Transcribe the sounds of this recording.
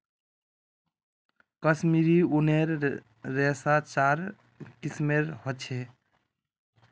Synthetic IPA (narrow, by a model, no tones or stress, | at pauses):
kəsmiɾiuneɾː | ɛːsat͡ʃaɾ | kismeɾhɔt͡ʃʰe